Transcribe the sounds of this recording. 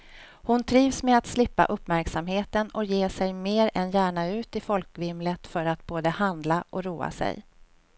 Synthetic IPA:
hʊnt̪ʰɾiːvsmɛat̪slɪpːa̰ʔɵpːmæɾksamɦeːt̪ənɔkjeːsɛjmeːɾɛnjæːɳaʉ̟ːt̪ɪfɔlkvɪmlət̪fœɾat̪̚boːd̪əhand̪laʔɔɾuːa̰sɛ̰j

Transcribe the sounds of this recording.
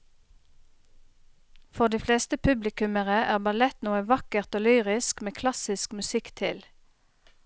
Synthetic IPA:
fɔʁd̪iːfleːst̪əpʰʉblɪkʉməʁəʔæːʁbɑlɛt̪nuːəʋɑkəʁt̪oːlyːʁɪskmeːkʰlɑsɪskmʉsɪkt̪ʰɪl

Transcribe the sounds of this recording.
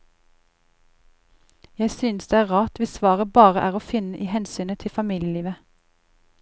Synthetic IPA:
jæɪsyːnsd̪eːæːʁɑːt̪ʋɪsʋɑːʁəbɑːʁəʔæːʁoːfɪnəʔiːhɛnsyːnət̪ʰɪfɑmiːljəliːʋə

